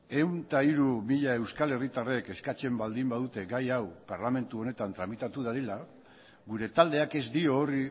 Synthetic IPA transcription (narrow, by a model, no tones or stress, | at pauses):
e̞wnt̪aiɾumiʎae̞wskale̞rit̪are̞ke̞skat͡se̞mbald̪imbað̞ut̪e̞ɡajawpaɾlame̞nt̪uo̞ne̞t̪ant̪ɾamit̪at̪uð̞aðila | ɡuɾe̞t̪ald̪e̞ake̞zd̪io̞ːri